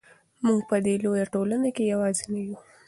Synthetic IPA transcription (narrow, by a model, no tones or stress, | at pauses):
muɡpəd̪elojaʈolanakejawɑzenaju